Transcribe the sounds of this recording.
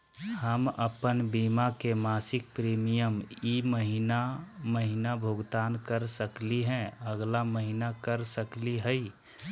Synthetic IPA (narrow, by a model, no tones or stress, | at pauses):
həmə̰pənbiːmakemaːsɪk̚pɾiːmijəmiːməɦinaməɦinabʱʊɡt̪aːnkəɾsəkliɦɛ̃əɡlaməɦinakəɾsəkliɦəi